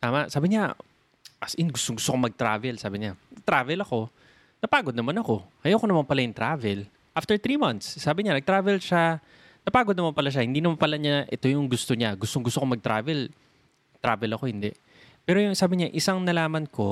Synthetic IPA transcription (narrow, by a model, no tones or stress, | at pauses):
t̪aːmɐʔsaːbɪɲa | ʔɐsjɪnɡʊst̪oŋɡʊst̪okomɐɡ̚t̪ɾa̰ːvɛlsaːbɪɲaɐt̪ɾaːvɛlɐko̞ | nɐpaːɡod̪nɐmanɐko̞hɐjoːkonɐmanpɐlajʊŋt̪ɾaːvɛl | ʔaft̪ɛɹt̪ɾiːmɐnt̪sːaːbɪɲanɐɡ̚t̪ɾaːvɛlʃa | nɐpaːɡod̪nɐmanpɐlaʃ̬ahɪnd̪iːnɐmanpɐlaɲaʔɛ̰t̪o̞jʊŋɡʊst̪oɲaɡʊst̪oŋɡʊst̪okomɐɡ̚t̪ɾa̰ːvɛl | t̪ɾaːvɛlɐko̞hɪnd̪ɛʔ | pɛːɾojʊŋsaːbɪɲaʔɪsaŋnɐlaːmɐnko̞